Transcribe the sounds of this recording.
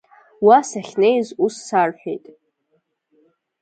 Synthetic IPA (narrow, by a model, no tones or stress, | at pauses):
wasaχʲne̞jzusːarħʷᶣḛjtʼ